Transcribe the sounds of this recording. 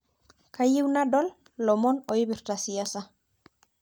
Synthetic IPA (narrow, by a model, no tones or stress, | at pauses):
kajiwnadɔlː | ɔmɔnoiβiɾt̪asiasa